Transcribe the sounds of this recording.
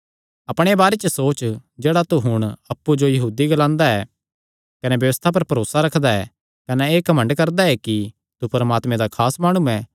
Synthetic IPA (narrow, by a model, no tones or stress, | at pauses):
ɐpɽ̃ebaːɾet͡ʃəsoːt͡ʃd͡ʒeːɽat̪uɦʊɽ̃ɐpːud͡ʒojɐɦuːd̪iɡɐlãːnd̪aɛ | kɐnɛbjɐʋəst̪ʰap̬ɐɾpɐɾoːsaɾɐkʰd̪aɛ | kɐnɛeːkɐmə̃ɳɖkɐɾd̪aɛki | t̪upɐɾəmaːt̪mẽd̪akʰaːsmaːɽ̃uɛ̃